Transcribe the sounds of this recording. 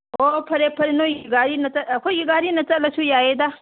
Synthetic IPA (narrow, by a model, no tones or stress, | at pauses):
oːpʰɐɾepʰɐɾenojɡaːɾinɐt͡sɐlkʰojiɡaːɾinɐt͡sɐlɐt͡ʃʰujaːjed̪a